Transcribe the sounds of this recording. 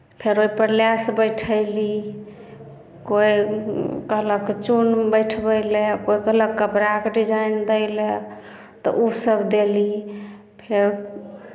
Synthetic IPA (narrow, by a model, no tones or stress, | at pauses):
pʰeɾoipəɾljasbəjʈʰəɪli | koikəɦləket͡ʃunbəjʈʰbəjlekoikəɦləkːəpɾakeɖid͡ʒajnd̪əɪle | t̪ɔ̰ʔusəbd̪eli | pʰeɾ